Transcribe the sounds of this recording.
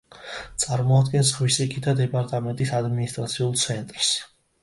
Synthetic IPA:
t̪sʼaɾmɔad̪ɡɛns̬ʁwisɛkʰid̪ad̪ɛpʼaɾt̪ʼamɛnt̪ʼisad̪minist̪ʼɾat̪sʰiulˠt̪sʰɛnt̪ʼɾs

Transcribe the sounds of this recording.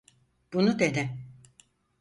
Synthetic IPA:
b̥unud̪e̞d̪ɪ

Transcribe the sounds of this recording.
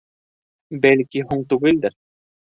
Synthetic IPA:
bælkiɦuɴt̪ʉɡɘ̆ld̪ɘɾ

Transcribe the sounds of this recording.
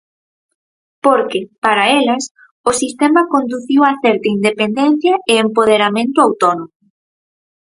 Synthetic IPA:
poɾkɪpaɾaelɐs | ʊsist̪emɐkond̪uθiwaθɛɾt̪ɐind̪epend̪ɛn̟θjɐɪempoð̞eɾamẽnt̪ʊawt̪onomʊ

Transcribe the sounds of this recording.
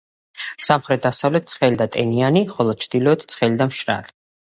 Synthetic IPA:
samχɾɛt̪̚ʰd̪asavlɛt̪̚t̪sʰχɛlid̪at̪ʼɛnianiχɔlˠɔd̪̚t͡ʃʰd̪ilɔɛt̪ʰt̪sʰχɛlid̪amʃɾa̰li̥

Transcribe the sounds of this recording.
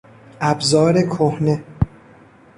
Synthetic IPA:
ʔæbzɒːɾekʰohne

